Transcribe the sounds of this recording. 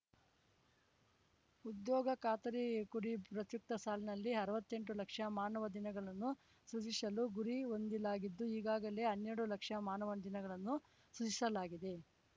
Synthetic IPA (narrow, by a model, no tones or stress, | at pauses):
ud̪jɔːɡɐkaːt̪ɐɾikuɽipɾɐt̪juk̚t̪ɐsaːlinɐlːiɐɾɐʋɐt̪ːe̞ɳʈulɐkʂɐmaːnɐʋɐd̪inɐɡɐɭɐnːu | sut͡ʃisɐluɡuɾio̞nd̪ilaːɡid̪ːuiːɡaːɡɐle̞ɦɐnːeɾɽulɐkʂɐmaːnɐʋɐnd̪inɐɡɐɭɐnːu | sut͡ʃisɐlaːɡid̪e̞